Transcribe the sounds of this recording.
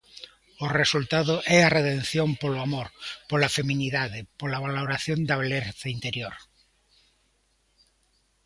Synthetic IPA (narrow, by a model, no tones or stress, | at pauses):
oresult̪aðoʔɛareðen̟θjompoloamoɾpolafemĩniðaðepolaβaloɾaθjond̪aβeleɾθaint̪eɾjoɾ